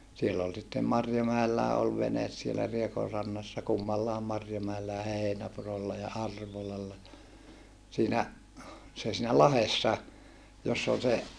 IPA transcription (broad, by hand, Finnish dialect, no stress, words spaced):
sielː ol sitːem mɑrjomæelːæː ol ʋenes sielæ riekorːɑnːɑsːɑ kumːɑlːɑˑem mɑrjomæelːæ jɑ heinæpurolːɑ jɑ ɑrʋolɑlːɑ siːnæ se siːnæ lɑhesːɑ josː ol se